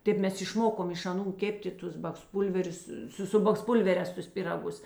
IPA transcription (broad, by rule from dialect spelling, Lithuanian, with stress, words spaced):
ˈtʲeːp ˈmʲɛs ɪʃˈmoːkoːm ɪʃ ɐˈnuː ˈkʲæːpʲtʲeː ˈtʊs bɐksˈpuːlʲʋʲɛrʲʊs ˈsʊ sʊ bɐksˈpʊlʲʋʲɛrʲɛːs tʊs pʲiːrɐˈɡʊs